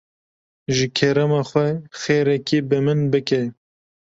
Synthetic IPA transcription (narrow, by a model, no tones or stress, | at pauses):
ʒɨkʰɛɾɛmɑːxwɛxeːɾɛkibɨmɨnbɨkɛ